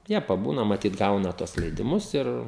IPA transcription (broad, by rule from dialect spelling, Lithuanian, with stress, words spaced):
ˈjiɛ pɐˈbuːnɐ mɐˈtʲiːt ˈɡɐʊnɐ ˈtuɔs lʲɛɪdʲɪˈmʊs ˈɪr